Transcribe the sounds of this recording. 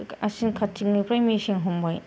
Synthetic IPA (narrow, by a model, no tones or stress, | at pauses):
ɐsinkʰat͡ʃiŋ̚nipʰɾajmisiŋɦumbaj